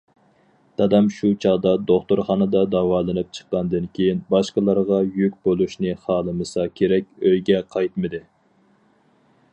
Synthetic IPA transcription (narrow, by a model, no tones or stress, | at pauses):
t̪ʰɑd̪ɛmʃut͡ʃʰɑʁd̪ɑd̪oχt̪ʊɾχɑːnɨd̪ɑd̪ɑwɑːlˠɨnɨp̚t͡ʃʰə̥qːɑnd̪ɨnkʲʰejinbɑʃqəlˠɑɾʁɑjykʲbolˠuʃnɨχɑːlˠɨmɨsɑkʲʰeɾɛkʲøjɡʲɛqʰɑjt̪mɨd̪ɨ